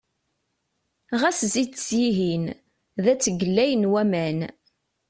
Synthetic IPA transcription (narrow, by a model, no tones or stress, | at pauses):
ʁæszid̪sjiɦin | ðæt͡sːəɡəlːæjənwæmæn